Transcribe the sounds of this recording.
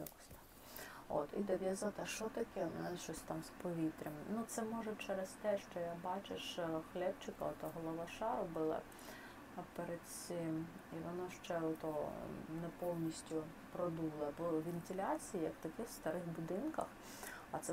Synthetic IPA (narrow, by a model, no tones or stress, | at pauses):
jɐkɔ̥sʲt̪ɑ̥ | o̰t̪id̪ɐd̪ʲjazɑt̪ɛʃt͡ʃɔt̪ɐkɛnʃt͡ʃɔsʲt̪ɑmspɔʋʲit̪ɾʲɐmnut̪sɛmɔʒɛt͡ʃɛɾest̪ɛʃt͡ʃɔjabɑt͡ʃeʃxlʲɛpt͡ʃɪkɐ̰ɔt̪ɔɦɔlˠɔʋɑʃɑɾʊbɪlˠɐ̰ | peɾed̪̥sɪmiʋɔnɑʃt͡ʃɛɔt̪ɔnɛpɔwnʲisʲtʲʊ | pɾɔd̪ulˠɐbɔʋʲɪnt̪ʲɪlʲɑt͡sʲijijɐkt̪ɐkɪxwst̪ɐɾɪxbʊd̪ɪnkɐ̰x | ɐt̪sɛ